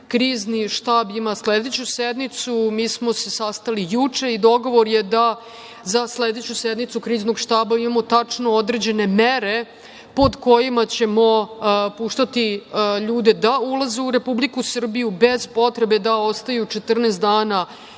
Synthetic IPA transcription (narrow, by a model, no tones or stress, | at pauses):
kɾiːzniʃt̪aːbimasled̪et͡ɕused̪nit̪sumiːsmo̞se̞sast̪alijut͡ʂe̞id̪o̞ɡo̞ʋoɾjed̪a | zasled̪et͡ɕused̪nit̪sukɾiːznoɡʃt̪aːbaimamo̞t̪at͡ʂnood̪ɾed͡ʑe̞ne̞meɾe̞ | po̞d̪ko̞jimat͡ɕe̞mo̞puːʃt̪at̪iʎuːd̪ed̪aulˠazeuɾe̞publikusr̩bijube̞zpo̞t̪ɾe̞be̞d̪aost̪ajut͡ʂet̪r̩nest̪d̪aːna